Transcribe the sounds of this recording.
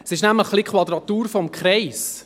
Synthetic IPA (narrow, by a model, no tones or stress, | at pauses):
sɪʃnæmləχːlikχʋɑd̪ɾɑt̪uːɾfɔmkχɾɛɪs